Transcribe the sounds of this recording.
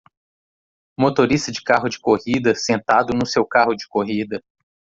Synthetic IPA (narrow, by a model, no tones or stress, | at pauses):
mot̪oɾist̪ɐd͡ʒɪkaɦʊd͡ʒɪkohid̪ɐsẽnt̪ad̪ʊnʊsewkaɦʊd͡ʒɪ̥koɦid̪ɐ